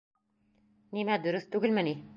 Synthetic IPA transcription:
nimæd̪ɵ̆ɾɵθt̪ʉɡɘlmæni

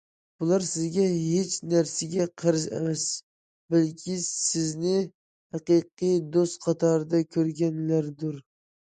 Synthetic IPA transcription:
b̥ulˠɑɾsɪzɡʲɛɦet͡ʃʰnæɾsɪɡʲɛqʰəɾɨzḛmɛs | bælkʲʰisɪznɪ | hæqɨjqɨjd̪ost̪qʰɑt̪ʰɑɾɨd̪ɑkʲʰøɾɡʲɛnlæɾd̪uɾ

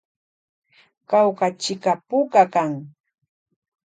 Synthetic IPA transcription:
kawkat͡ʃɪkapʊkakaŋ

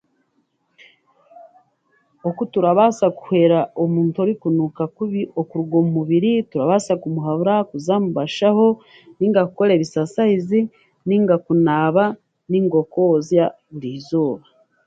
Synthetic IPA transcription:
okutuɾaβasaku̥he̞ɾaomuːntoɾikunukakuβiʔo̞kuɾuɡomumuβiɾituɾaβasakumuɦaβuɾakuzamuβaʃaho̞ | niːŋɡakukoɾe̞βisasaizi | niŋɡakunaːβa | niŋɡo̞kozja | βuɾizoːβa

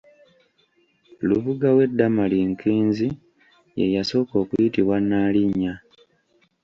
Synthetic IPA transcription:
luβuɡawe̞dːamaliŋkiːnzi | je̞̰jaso̞ːko̞ːkujitiβwanːaliɲːa

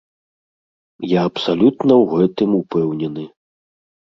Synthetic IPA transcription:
jaɐpsalʲut̪nɐwɣɛt̪ɨmupɛwnʲɛnɨ

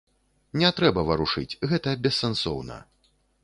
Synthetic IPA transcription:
nʲɛt̪ɾɛbɐvɐɾuʂɨ̰t͡sʲɣɛt̪ɐbʲɛsːɛnsɔwnɐ̰

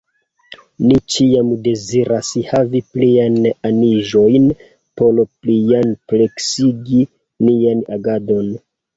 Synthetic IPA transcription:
nit͡ʃiamde̞ziɾashavipliananiʒo̞jn | po̞lplianple̞ksiɡi | nianaɡado̞n

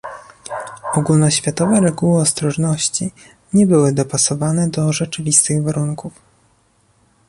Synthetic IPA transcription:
ɔɡulnɔɕfʲjat̪ɔvɛɾɛɡuwɘɔst̪ɾɔʐnɔɕt͡ɕi | ɲɛbɘwɘd̪ɔpasɔvanɛd̪ɔʐɛt͡ʂɘvʲist̪ɘɣvaɾuŋkuf

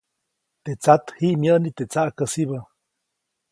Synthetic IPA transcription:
t̪et͡sat̪hiʔmjənit̪et͡saʔkəsiβə

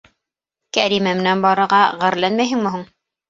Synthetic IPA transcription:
kæɾimæmɘ̆nænbɑɾɤ̆ɾʁɑʁæɾlænmæjɦɘŋmɵ̆ɦuɴ

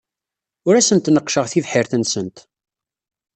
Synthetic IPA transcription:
ʊɾæsənt̪nəqːʃəʁθivħiɾθənsənt̪

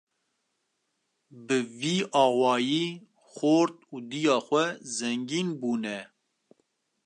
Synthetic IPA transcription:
bɨviːʔɑːwɑːjiː | xoːɾt̪uːd̪ijɑːxʷɛzɛŋɡiːnbuːnɛ

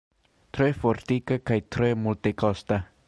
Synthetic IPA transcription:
t̪ɾeefoɾt̪ikakajt̪ɾeemult̪ekost̪a

